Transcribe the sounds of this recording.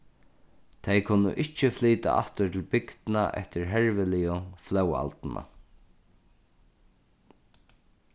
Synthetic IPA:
t̪ʰejkʰʊnːʊ̰ʔɪht͡ʃɪfliːt̪a̰ʔaht̪ʊt̪ʰɪlbɪkt̪naʔɛ̰ht̪ɪɹɦɛɹvɪlɪjʊflœwa̰lt̪na̰

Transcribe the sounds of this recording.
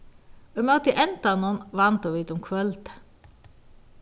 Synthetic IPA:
œmɑt̪iʔɛnt̪ɑnuːnʋɑnt̪oːʋiːt̪ʊmkʰʋœlt̪

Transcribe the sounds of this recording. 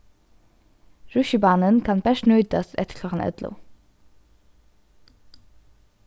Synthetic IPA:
ɹʉʃəbɑːnənkʰɑnbæʃnœʏd̪ɑsɛ̰t̪ə̥lɑʁɑnʔɛ̰d̪lʊ̰ː

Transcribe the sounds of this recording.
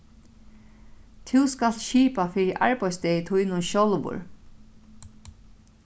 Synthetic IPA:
t̪ʰɪwskal̥ʃiːpafɪːɾɪʔa̰ɹpajsd̪ɛjət̪ʰujnʊnɕowlʋʊ̰ɹ

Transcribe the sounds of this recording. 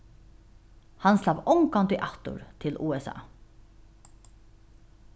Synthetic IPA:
hɑnslaʋɔŋkant̪ʏʔat̪ʊ̰ɾt̪ʰɪlʔuːɛsɑ̰ː

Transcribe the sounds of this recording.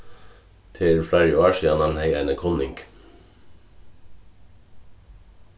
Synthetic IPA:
t̪ʰɪlflæɹɪɑːʃiːɑnɑnheɪænəkʰɔnɪŋɡ

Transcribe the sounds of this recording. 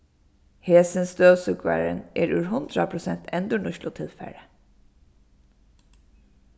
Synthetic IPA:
heːsənsd̪øːʋsʉkʰʋæ̰ːɹə̰nʔeːɾʉːɹhʊnd̪ɾɑpʰɹʊsɛnt̪ʰɛnd̪əɳʊʃlʊt̪ʰɪlfæ̰ɹə

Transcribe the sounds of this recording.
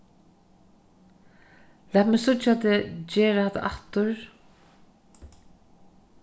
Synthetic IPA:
læːt̪mɛːsʊt͡ʃat̪ɛd͡ʒeːɾahat̪ːa̰ʔat̪ʊɹ

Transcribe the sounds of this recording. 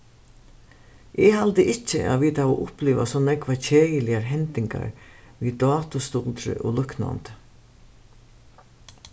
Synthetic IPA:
ʔɪhalt̪əʔɪt͡ʃːə̰ʔa̰ːʋiːt̪aɔːʔʊpliːʋa̰sɔnɛkʋacʰeːjəlɪaɾɦɛnt̪ɪŋka̰ɹʋiːd̪ɑːt̪ʊst̪ɔlt̪ɾɪ̰ʔɔːlʏkna̰nt̪

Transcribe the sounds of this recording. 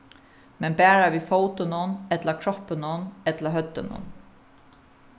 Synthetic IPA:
mɛnbæːɹaʋiːfoːwt̪ɪnʊnɛt̪lakʰɹɔhpɪnʊnɛt̪laɦœt̪ːɪnʊ̰n

